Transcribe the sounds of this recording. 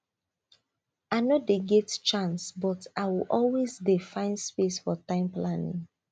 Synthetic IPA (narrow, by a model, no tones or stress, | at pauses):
aɪnodeɡɛtt͡ʃãnsbɔtaɪwiʔɔlwezdefãɪ̃nspesfɔtãɪ̃mplanḭ̃ŋ